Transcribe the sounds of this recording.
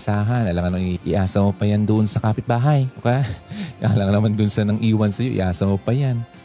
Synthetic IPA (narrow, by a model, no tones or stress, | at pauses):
saːɦɐnʔɐlaŋɐnoŋʔɪ̰ʔaːsɐmopɐjand̪ʊʔonsɐkaːpɪt̪̚baːɦɐjokɐjaa̰laŋɐnɐmand̪ʊnsɐnɐŋʔiːwɐnsɐjo̞ʔɪ̰ʔaːsɐmopɐjan